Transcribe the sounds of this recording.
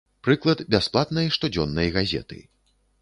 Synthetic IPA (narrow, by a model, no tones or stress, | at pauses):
pɾɨklˠɐd̪bʲasplˠat̪nɐjɐʂt̪ud͡zʲɔnːɐjɐɣazʲɛ̰t̪ɨ̰